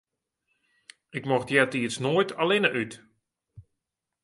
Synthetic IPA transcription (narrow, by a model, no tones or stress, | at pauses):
ɪkmɔxtjɛtiəsnoːjtʰalɪnəʔyt